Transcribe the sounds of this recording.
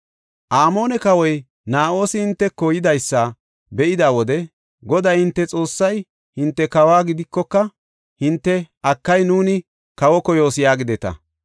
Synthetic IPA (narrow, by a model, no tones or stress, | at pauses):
ʔaːmo̞ːnɛkɐwɔj | naːʔo̞ːsɪhɪnt̪ːɛkːɔjɪd̪ɐjsːɐ | bɛʔɪd̪aːwɔd̪ɛ | ɡɔd̪ajhɪnt̪ːɛt͡sʼo̞ːsːɐj | hɪnt̪ːɛkɐwaːɡɪd̪ɪkːɔkːɐ | hɪnt̪ːɛ | ɐkːɐjnuːnɪ | kɐwɔkɔjo̞ːsɪjaːɡɪd̪ɛt̪ɐ̰